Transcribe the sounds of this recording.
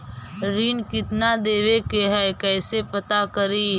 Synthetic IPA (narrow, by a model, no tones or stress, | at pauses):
ɾiːnkɪt̪nad̪eːʋekeɦɛkɛːsepət̪akəɾiː